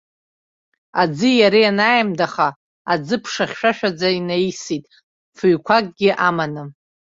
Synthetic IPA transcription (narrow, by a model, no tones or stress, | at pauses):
ad͡zɨjaɾijanajmdaχa | ad͡zɨpʰʂaχʲʃᶣaʃᶣad͡zainajsitʼ | fɨɥkʷʰakʼɡʲɪʔamanɨ